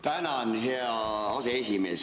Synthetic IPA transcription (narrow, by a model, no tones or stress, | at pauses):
t̪ænænheɑ | ɑseesimeːs